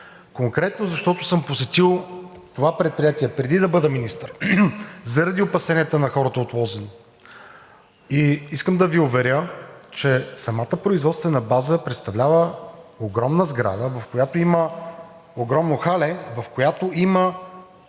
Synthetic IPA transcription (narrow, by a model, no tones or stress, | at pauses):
koŋkɾɛt̪nozɐʃt̪ɔt̪ʊsɤmposɛt̪ilˠ | t̪ovapɾɛt̪̚pɾijat̪iɛpɾɛd̪id̪ɐbɤd̪ɛminist̪əɾ | zɐɾɐd̪iopɐsɛniɛt̪ənɐxɔɾət̪əot̪lˠɔzɛn | iiskəmd̪ɐviʊvɛɾʲjət͡ʃɛsɐmat̪əpɾʊizvɔt̪st̪vɛnəbazəpɾɛt̪st̪ɐvlʲavəoɡɾɔmnəzɡɾa̰d̪əvɐfkojat̪oimə | oɡɾɔmnoxalɛvɐfkojat̪oʔimə